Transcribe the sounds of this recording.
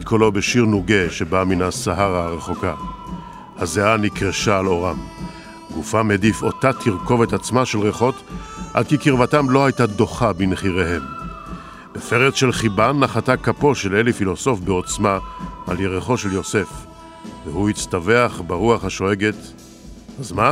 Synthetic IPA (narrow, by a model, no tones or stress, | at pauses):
t̪̚kʰolo̞beʃiʁnuɡeʃebaminasaɦaʁaʁeχo̞ka | hazeanikʁeʃaːlo̞ʁam | ɡufamedifo̞t̪atʰiʁko̞vetat͡smaʃelʁeχo̞tʔa̰d̪̚kikiʁvatamlo̞hajtado̞χabinχiʁeɦe̞m | befeʁet͡sʃelχibanːaχatakapo̞ʃelelifilo̞so̞fbeot͡smaa̰ljeʁeχo̞ʃe̞ljo̞se̞f | vehuit͡staveaχbaʁuaχhaʃo̞eɡet̪ | hazma